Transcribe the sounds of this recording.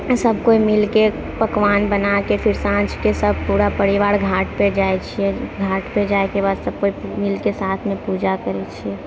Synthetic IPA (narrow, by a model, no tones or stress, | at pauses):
səb̚ʱkoimɪlke | pəkʋaːnbənakepʰɪɾsãnt͡ʃkesəb̚ʱpuːɾapəɽiʋaːɽɡʱaːʈped͡ʒaet͡ʃʰiɛɡʱaːʈped͡ʒaekebad̪səb̚koimɪlkesaːt̪ʰmẽpud͡ʒakəɾet͡ʃʰiɛ